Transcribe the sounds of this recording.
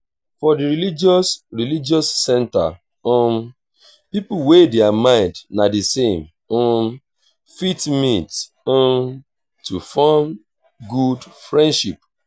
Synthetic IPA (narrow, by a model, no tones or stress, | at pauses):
fɔdiɹilid͡ʒɔsɹilid͡ʒɔsːɛ̃nta̰ | ɔ̃m | pipuwedɛamãɪ̃ndnadisẽm | ɔ̃m | fitmit | ɔ̃m | tufɔm | ɡudfɹɛ̃ndʃip